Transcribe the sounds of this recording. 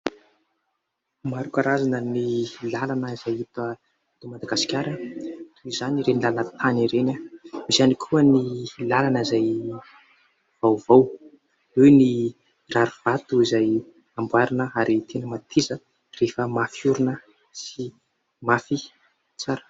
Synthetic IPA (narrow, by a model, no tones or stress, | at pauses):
maɾukaɾazanənilalanəizajit̪ə | t̪umad̪aɡasi̥kʲaɾət̪ʰuizaniɾenilalanət̪ʰaniɾenamizanikʰuənilalanəizaj | v̥awvaw | ewni | raɾuv̥at̪uizaj | ambwaɾinəaɾit̪ʰenəmat̪ʰizə | refəmafiuɾunə | si | mafi | t͡saɾə̥